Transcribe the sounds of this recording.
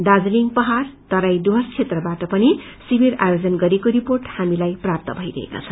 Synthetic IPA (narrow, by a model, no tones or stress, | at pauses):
ɖad͡zliŋpʌɦart̪ʌɾajd̪uɦʌst͡sʰet̪rʌbaʈʌpʌni | simiɾa̰jod͡zʌnɡʌɾekoɾiporʈhamilajprap̚t̪ʌbʱʌjɾʌ̰ɦḛka̰t͡sʰʌ